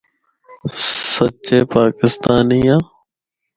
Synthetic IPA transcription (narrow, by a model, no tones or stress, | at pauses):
sətːt͡ʃeːpaːkɪst̪aːniːjãː